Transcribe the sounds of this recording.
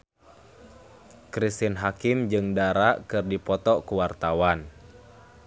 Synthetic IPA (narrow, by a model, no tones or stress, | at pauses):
kɾist̪inɦakimd͡ʒɨŋdaɾaʔkɨrdipɔt̪ɔkuwart̪awan